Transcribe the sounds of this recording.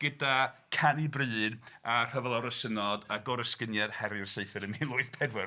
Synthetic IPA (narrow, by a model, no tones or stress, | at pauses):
ɡ̥ədakʰanibrɨːnar̥əvɛlˠaɾəsənɔdaɡɔɾəskənjɛd̥hɛɾɨrseɨfɨɾəmilˠʊɨθpʰɛdwɛr